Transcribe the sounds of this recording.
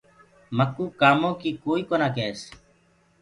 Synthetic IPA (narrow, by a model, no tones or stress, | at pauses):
məkuːkaːmõːkiːkoːiːkoːnaːkeːs